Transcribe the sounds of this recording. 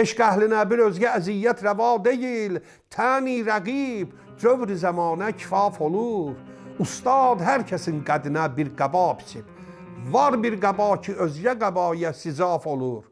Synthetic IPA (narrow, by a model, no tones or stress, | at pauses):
eʃɡæhlinæbiɾø̞zɟææzijːæt̪ʰɾævɑːd̪e̞jil | t̪ʰæːniːɾæɡib | d͡ʒøvɾizæmɑːnæcʰi̥fɑːfoluɾust̪ɑːd̪ɦæɾcʰæsinɡæd̪inæbiɾɡæbɑːpʰi̥t͡ʃʰib̥ | vɑɾbiɾɡæbɑːcʰiøzɟæɡæbɑːjasizɑːfo̞lˠuɾ